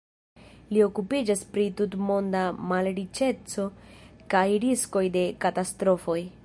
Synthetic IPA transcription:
lio̞kupid͡ʒaspɾitutmo̞ndamalɾit͡ʃe̞t͡so̞kajɾisko̞jde̞katastɾo̞fo̞j

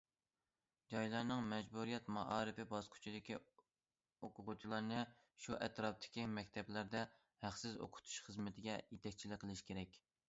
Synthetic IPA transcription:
d͡ʒɑjlˠɑɾnɨŋmɛd͡ʒbuɾijɛt̪mɑʔɑːɾɨfɪbɑskʰy̥t͡ʃʰid̪ɪkʲi | oqʰʊʁʊt͡ʃʰilˠɑɾnɨ | ʃuʔɛt̪ʰɾɑp̚t̪ʰɪ̥kʲimɛkʲt̪ʰɛblæɾd̪ɛ | hæχsɪzo̰qʰʊ̥t̪ʰu̥ʃχəzmɪt̪ʰɪɡʲɛjet̪ʰɛkʲt͡ʃʰilɪkʲqʰəlˠɨʃkʲʰeɾɛkʲ

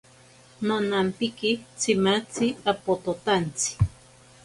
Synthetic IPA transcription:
nonampikit͡simat͡siapot̪ot̪ant͡si̥

